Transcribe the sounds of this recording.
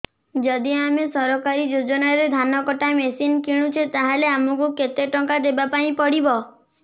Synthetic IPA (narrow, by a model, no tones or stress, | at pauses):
d͡ʒɔd̪iamesɔɾɔkaɾid͡ʒod͡ʒɔnaɾed̪ʱanɔkɔʈamesinkiɽ̃ut͡ʃʰet̪aɦeleamɔkuket̪eʈɔŋkad̪ebapaĩpɔɽibɔ